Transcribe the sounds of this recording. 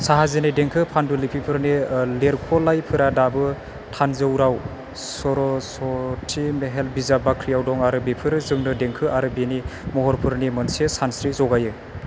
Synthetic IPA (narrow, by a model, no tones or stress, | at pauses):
saɦazenedeŋkʰɯpʰandulipʰipʰɯɾnileɾkʰɔlajpʰɯɾadabɯ | tʰanzɯwɾaw | sɔɾɔsɔtʰimeɦelbizabakʰɾijawdɔŋaɾɯbipʰɯɾɯzɯŋnɯdeŋkʰɯʔaɾɯbinimɔɦɔɾpʰɯɾnimɯnsesansɾizɔɡajɯ